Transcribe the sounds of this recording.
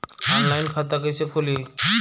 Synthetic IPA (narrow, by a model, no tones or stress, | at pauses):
ɔnlajnkʰat̪̬akəjsekʰoli